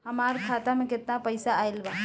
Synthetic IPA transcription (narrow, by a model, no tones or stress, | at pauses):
ɦəmaːɾkʰat̪amẽkɪt̪napəɪsaːɪlba